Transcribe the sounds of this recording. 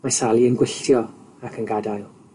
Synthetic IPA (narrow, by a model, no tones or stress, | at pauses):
masalˠiənɡwɪɬtjɔakʰənɡadajlˠ